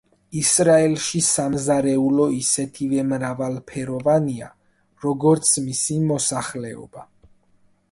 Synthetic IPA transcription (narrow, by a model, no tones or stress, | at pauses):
isɾaɛlʃisamzaɾɛulɔisɛt̪ʰivɛmɾavalpʰɛɾɔvania̰ | ɾɔɡɔɾt̪sʰmisimɔsaχlɛɔ̰b̥a